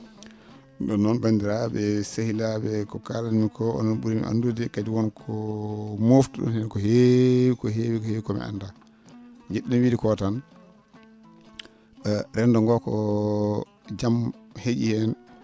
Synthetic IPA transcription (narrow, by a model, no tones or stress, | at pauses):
ɗɔnːɔnbandiɾabɛsahilabɛkɔkalanmikʰɔɔ̰nɔnɓuɾimḭʔa̰ndudɛkadiwɔnkʰɔmoftuɗɔ̰nhɛnakɔhewikɔɦewikɔheːwikɔmḭa̰nda | d͡ʒeɗːimwidikɔtan | ɓɛɾɛndɔŋɡɔkɔ | d͡ʒamhed͡ʒihɛn